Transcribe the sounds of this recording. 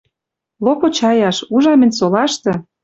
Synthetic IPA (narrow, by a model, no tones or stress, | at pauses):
lopot͡ɕɑjɑʃuʒɑmĕnʲsolɑʃt̪ɤ̆